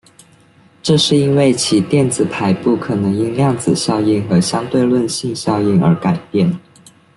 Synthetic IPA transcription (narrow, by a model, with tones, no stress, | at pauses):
ʈ͡ʂɤ˥˧ʂɻ̩˥˧i˥nwe˥˩ɪt͡ɕʰi˨˩t̪jɛ˥˩nd͡zɹ̩˨˩pʰa˧˥ɪpu˥˩kʰɤ˨˩nɤ˧˥ŋi˥nljɑ˥˩ŋd͡zɹ̩˨˩ɕjɑ˥˧ʊi˥˩nxɤ˧˥ɕjɑ˥ŋt̪we˥˧ɪlwə˥˧nɕi˥˧ŋɕjɑ˥˧ʊi˥˩nə̰˞˧˥ka˨˩ɪpjɛ˥˩n